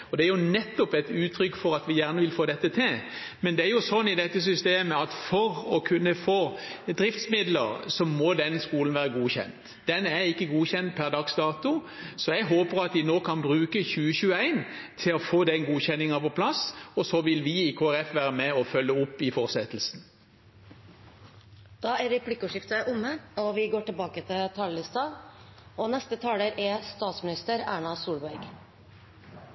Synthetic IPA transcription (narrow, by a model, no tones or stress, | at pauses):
ɔd̪ɛæɾjʊnɛt̪ːɔpɛt̪ʉːt̪ʰɾʏkːfɔɾɑt̪ʋɪjæːʁnəʋɪlfoːd̪ɛt̪ːət̪ʰɪl | mɛnd̪ɛæɾjʊsɔnːɪd̪ɛt̪ːəs̬ʏst̪eːməɑt̪fɔɾɔkʰʉnːəfoːd̪ɾɪft̪smɪd̪lə̰ɾsɔmɔd̪ɛnskuːlən̩ʋæːɾəɡuːçɛ̰nt̪ | d̪̥ɛnæɾɪkːəɡuːçɛnt̪̚pʰæʁd̪ɑksd̪ɑːt̪ʊ | sɔjɛɡɦoːpəɾɑt̪d̪ɪnoːkʰɑnbʁʉːkəçʉːəçʉːəæɪnt̪ʰɪlɔfoːd̪ɛnɡuːçɛnːɪŋɑpɔpʰlɑsɔsɔʋɪlʋɪɪkʰoːæʁɛfʋæːɾəmɛɔfœlːəʊpːɪfɔʁsɛt̪əl̩sn̩ | d̪̥ɑːæɾɛpʰlɪkːʊʂɪft̪əʔʊmːəɔʋɪɡoːʈɪlbɑːkət̪ʰɪlt̪ʰɑːləlɪst̪ɑʔɔnɛst̪ət̪ʰɑːləɾʔæst̪ɑːt̪smɪnɪst̪əɾæ̰ːɳɑsuːlbæɾɡ